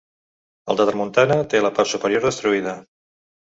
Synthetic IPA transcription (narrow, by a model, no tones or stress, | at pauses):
ə̰lˠd̪əðəɾmunt̪anət̪eləpaɾsupəɾioɾðəst̪ɾuiðə